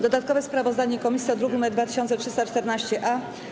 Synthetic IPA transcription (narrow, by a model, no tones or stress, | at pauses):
d̪ɔd̪at̪kɔvɛspɾavɔzd̪aɲɛikɔmʲisʲiɔd̪ɾuɡimɛd̪vat̪ɘ̥ɕɔnt̪sɛtʂɘst̪at͡ʂt̪ɛɾnaɕt͡ɕɛʔa